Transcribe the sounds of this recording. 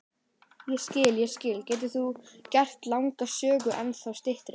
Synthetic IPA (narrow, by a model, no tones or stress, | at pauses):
jɛscɪːljɛscɪːlcɛːt̪̬ɪ̥θucɛr̥t̪lawŋkasœːɣʏʔɛnθawst̪ɪht̪ɾɪ